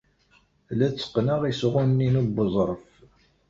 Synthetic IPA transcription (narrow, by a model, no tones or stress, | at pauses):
læt͡sːə̥qːnəʁisʁʊnnːinubəzˤɾˤəf